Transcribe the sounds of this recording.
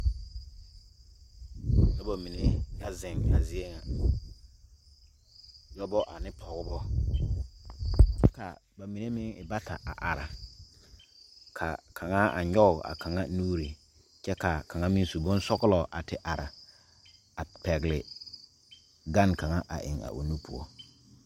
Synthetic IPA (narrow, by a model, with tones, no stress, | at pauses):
jɔ˦bo˨mi˨ne˦ja˦zɪ˨ŋa˨zɪ˦e˦ŋa˨ | jɔ˦bɔ˦ʔa˨nɪ˦pʰɔ˨ɣʊ˦bɔ˦ | t͡ʃɛ˦ka̰˨ | ba˨mi˨ne˦mɪ˦ŋɪ̰˨ba˦tʰa˨ʔa̰˨ʔa˨ɾa˨ | kʰa˨kʰa˨ŋa˦a̰˨ɲɔ˦ʊ˨a̰˨ka˨ŋa˦nuː˦ɾi˨ | t͡ʃɛ˦ka˨ka˨ŋa˦mi˦n˦su˨bʊ˦n˦sɔ˦ɣlɔ˨ʔa˨tɪ˦ʔa˨ɾa˨ | a˨pɛ˨ɣlɪ˨ | ɡa˦nka˨ŋa˦ʔa̰˨ʔɪ̰˨ŋa̰˨ʔo̰˨nu˦pʊ˦ɔ˦